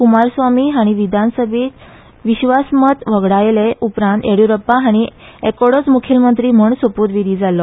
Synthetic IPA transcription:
kumaɾsʋamiːɦaɽ̃iʋid̪ʱansəbʱiːt̪ | ʋiɕʋasmət̪ʋəɡɽajleʔupɾant̪eɽuɾəpːaɦaɽ̃iekoɽot͡smukʰilmənt̪ɾiːm̤əɳsopuːd̪ʋiɾiːd͡zalɔ

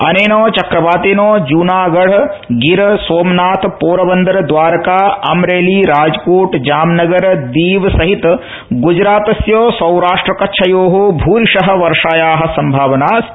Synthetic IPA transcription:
ɐ̰neːnoːt͡ʃɐkɾɐbaːt̪eːnoːd͡ʒuːnaːɡɐɽ̤ | ɡiɾsoːmnaːt̪poːɾɐbɐnd̪ɐɾɐd̪ʋaːɾɐkaːɐmɾeːliːɾaːd͡ʒkuːʈd͡ʒaːmnɐɡɐɾd̪iːʋsɐɦit̪ | ɡud͡ʒɾaːt̪ɐsjoːsɐwɾaːʂʈɾɐkɐtːʃʰɐjoːɦobʱuːɾiʂɐɦɐ̆ʋɐɾʂaːjaːɦɐ̆sɐmbʱaːʋɐnaːs

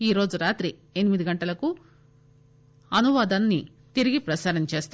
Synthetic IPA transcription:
iːɾo̞ːd͡ʒuɾaːt̪ɾienimid̪iɡɐɳʈɐlɐku | ɐnuʋaːd̪aːnːi | t̪iɾiɡipɾɐsaːɾɐnt͡ʃe̞ːst̪

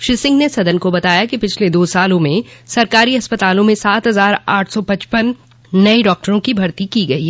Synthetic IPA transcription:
ʃɪsɪ̃ŋɡnesɐd̪ənkobɐt̪aːjakipɪt͡ʃʰled̪oːsaːlõmẽsɐɾkaːɾiɐspət̪aːlõmẽsaːt̪ɦɐzaːɾaːʈʰsɔpɐ̃t͡ʃpənː | ɐeɖɔːk̚ʈəɾõkibʱɐɾt̪ikiɡɐi

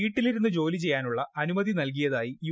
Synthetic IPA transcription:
iːʈːiliɾunːɨd͡ʑo̞ːlit͡ɕe̞jːaːnuɭːɐʔɐnumɐðinɐlk̬ijɐðaːjiju

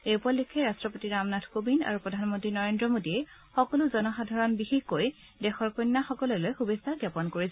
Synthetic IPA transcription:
eupɔlːikʰɛɹastɹɔpotiɹamnatʰkobina̰ɹupɹɔdʱanmɔntɹinɔɹendɹɔmodiɛxɔkɔlʊzɔnɔxadʱaɹɔnbixixkoj | dɛxɔɹkɔnːaxɔkɔlɛlojxubesaɡjapɔnkoɹisɛ

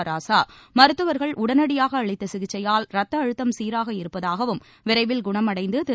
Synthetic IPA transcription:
ɾaːsaːmɐɾɯt̪ːɯʋɐɾɣɐɭʔʊɽɐnɐɽɪjaːɣɐːɭɪt̪ːɐsɪɣɪt͡ʃːɐjaːlɾɐt̪ːɐːɻɯt̪ːɐmsiːɾaːɣɐɪɾɯpːɐðaːɣɐʋɯm | ʋɪɾɐɪʋɪlɡʊɳɐmɐɽɐɪnd̪ɯt̪ɪ

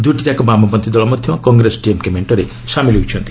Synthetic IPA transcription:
d̪uʈit̪akɔbamɔpɔnt̪id̪ɔɭɔmɔd̪ʱjɔkɔŋɡɾesʈiemkemeɳʈɔɾe | samiliut͡ʃʰɔnt̪ʰi̥

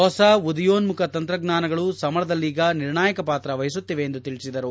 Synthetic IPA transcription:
ɦɔsɐʋud̪ijoːnmukʰɐt̪ɐnt̪ɾɐɡnaːnɐɡɐɭusɐmɐɾɐd̪ɐlːiːɡɐniɾɳaːjɐkɐpaːt̪ɾɐʋɐjɐs̬ut̪ːiʋe̞ːnd̪ut̪iɭisid̪ɐɾu

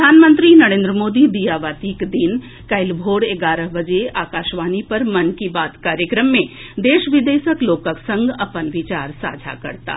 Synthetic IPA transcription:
ɾɾd̪ʱaːnmə̃nt̪ɾinɐɾẽːnd̪ɾəmoːd̪id̪ijaːʋaːt̪iːkd̪in | kɐɪlbʱoːɽeːɡaːɾəɦbɐd͡ʒeʔaːkaːʃʋaːnipɐɾmɐnkibaːt̪kaːɾjəkɾəmːẽ | d̪eːʃʋɪd̪eːʃəkloːkəksɐ̃ŋɡɐpənʋɪt͡ʃaːɾsa̰ːd͡ʒʱa̰kɐ̰ɾt̪a̰ː

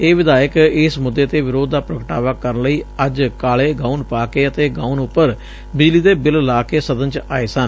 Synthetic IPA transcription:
eːʋɪd̪aːjəkɪsmʊd̪ːeːt̪eːʋɪɾoːd̪ːaːpɾəkəʈa̰ːʋaːkəɾənləiːəd͡ʒkaːleːɡãːunpaːkeːət̪eːɡaːunʊpːəɾ | bɪd͡ʒliːd̪eːbɪllaːkeːsəd̪ənt͡ʃaːeːsən

